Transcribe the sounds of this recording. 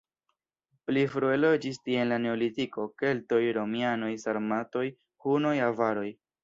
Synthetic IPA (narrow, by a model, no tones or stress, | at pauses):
plifɾuelo̞d͡ʒistie̞nlane̞olitiko̞ke̞lto̞jɾo̞miano̞jsaɾmato̞j | huno̞javaɾo̞j